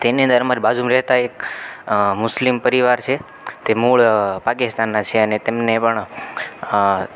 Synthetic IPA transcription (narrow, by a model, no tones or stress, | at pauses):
t̪eniə̃nd̪əɾəmaɾibad͡ʒʱumɾɛɦt̪aek | mʊslimpəɾiʋaɾt͡ʃʰe | t̪emuɭpakist̪anːat͡ʃʰeənet̪emnepəɳ